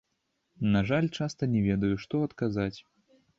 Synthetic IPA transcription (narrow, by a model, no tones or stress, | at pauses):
naʐalʲt͡ʂast̪ɐnʲɛvʲɛd̪ɐjuʂt̪ɔɐt̪kazat͡sʲ